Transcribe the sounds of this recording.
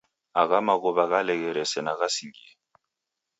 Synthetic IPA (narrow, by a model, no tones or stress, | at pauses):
aɣamaɣʊbaɣalɛɣɛɾɛsɛnaɣasiɡiɛ